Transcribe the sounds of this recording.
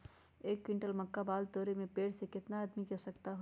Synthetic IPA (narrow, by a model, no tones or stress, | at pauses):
eːkːwɪ̃ɳʈəlmɐkːabaːlt̪oːɾemẽpeːɽsekɪt̪naəd̪mikɐsɐkt̪aɦo